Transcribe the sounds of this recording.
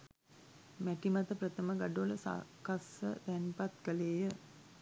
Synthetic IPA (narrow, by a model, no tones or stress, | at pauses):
mæʈimat̪əpɾət̪əməɡaɖoləsa̰kasə̰t̪ænpat̪kəleːjə